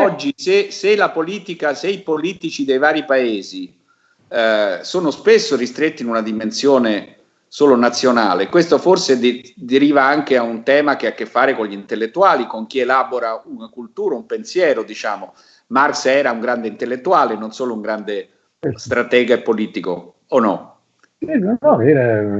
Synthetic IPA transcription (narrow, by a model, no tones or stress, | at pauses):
ɔd͡ʒːiseselapoliːt̪ikaseipoliːt̪it͡ʃid̪ejvaːɾipaeːzi | soːnospesːoɾist̪ɾet̪ːinunad̪imensjoːne | soːlonat̪sːjonaːlekwest̪oforsed̪d̪eɾiːvaaŋk̟eaunt̪ɛːmakeakːefːaːɾekoɲʎint̪elːet̪ːuaːlikoŋk̟ielaːboɾaunakult̪uːɾaumpensjɛːɾod̪it͡ʃaːmo | marksɛːɾauŋɡɾand̪eint̪elːet̪ːuaːlenːonsoːlouŋɡɾand̪e | st̪ɾat̪ɛːɡaepːoliːt̪iko̰ | onːɔ | sinonsɔd̪iːɾe